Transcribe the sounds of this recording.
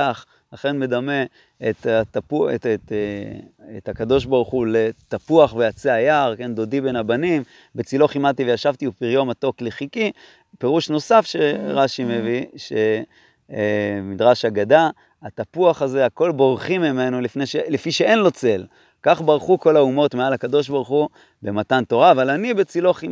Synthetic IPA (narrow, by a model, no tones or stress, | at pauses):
aχ | laχe̞nme̞d̪ame̞ | et̪atapuet | et̪hakad̪o̞ʃ̬baʁuχule̞t̪apuaχvejat͡seajaʁke̞nd̪o̞dibe̞nabanim | bet͡silo̞χimat̪ivejaʃavt̪iupiʁjo̞mat̪o̞kleχiki | pe̞ʁuʃno̞safʃeʁaʃime̞viʃe | mid̪ʁaʃaɡada | at̪apuaχaze̞ako̞lbo̞ʁχimːimenulifneʃelefiʃee̞nlo̞t͡se̞l | kaχbaʁχuko̞laumo̞t̪mealhakado̞ʃ̬baʁuχu | be̞matanto̞ʁaːvalanibet͡silo̞χim